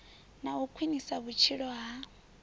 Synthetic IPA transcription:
naukʰwinisaβut͡ʃʰiɺɔɦa

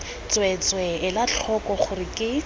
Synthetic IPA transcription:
t͡swɛt͡swɛɪlat͡ɬʰɔkɔχʊrɪkʼɪ

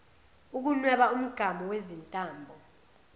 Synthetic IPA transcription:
uk̬unwɛɓaum̩ɡ̥ʱamɔwezintʼaːmbʱɔ

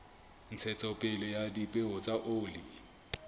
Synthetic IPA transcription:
n̩t͡sʰɛt͡sʼɔpʼɪlɔjadipʼɪɦʊt͡sʼaʔoːlɪ

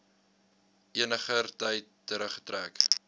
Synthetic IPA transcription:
ʔiənəχərtɐjtːəɾəχə̥træk

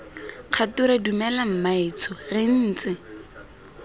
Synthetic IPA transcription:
q͡χʰatuɾadumɛlam̩maɪt͡sʰɔrɪn̩ːt͡sɪ

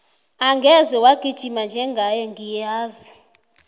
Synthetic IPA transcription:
aŋɡɛzɛwaɡ̥ʱʼid̥ʒ̥ʱimand͡ʒʱɛŋɡʱajɛŋɡijaːzi

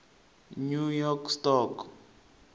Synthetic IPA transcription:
nujɔkstɔk

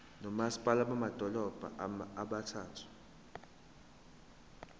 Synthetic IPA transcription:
nɔmasi̥pʼalaɓamad̥ʱɔlɔb̥ʱa̰aɓatʰaːtʰu̥

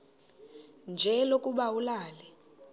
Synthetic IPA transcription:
nd͡ʒʱɛlokʼuɓawulaːlɛ

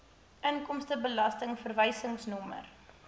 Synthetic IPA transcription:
ʔəŋkɔmstəbəlɐstəŋfərvəjsəŋsnɔmə̰r

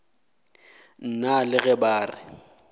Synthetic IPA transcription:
n̩nalɪɣɛbaːrɪ̰

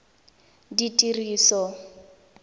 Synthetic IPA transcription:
ditʼiriːsɔ

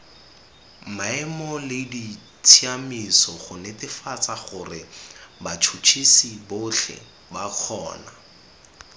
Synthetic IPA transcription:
maɛmɔlɪdi | tʰiamisɔχʊnɛtɪfat͡saχʊrɪbat͡ʃʰut͡ʃʰisibʊɬʰɛ̰ | baq͡χʰɔ̰ːna

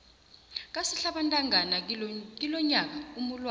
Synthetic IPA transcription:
k̬ʼasiɬaɓantʼaŋʱanak̬ʼilɔɲak̬aumulwa

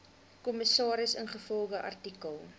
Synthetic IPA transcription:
kɔməsɑːɾəsənχəfɔlˠɡəʔɐ̰rtikəlˠ

